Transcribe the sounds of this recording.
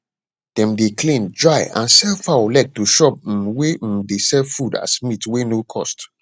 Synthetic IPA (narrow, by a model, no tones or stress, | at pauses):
d̥ɛ̃mdeklĩnd͡ʒɹaɪã̰nsɛlfalɛk̚tːuʃɔp̩̚wedesɛfuda̰smitwenokʰɔ̰st